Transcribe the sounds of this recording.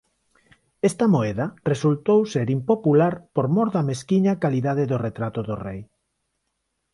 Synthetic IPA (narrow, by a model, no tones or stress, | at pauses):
est̪ɐmoeðɐresult̪owseɾimpopulaɾpoɾmoɾðɐmeskiɲakaliðaðeðoret̪ɾat̪ʊðorej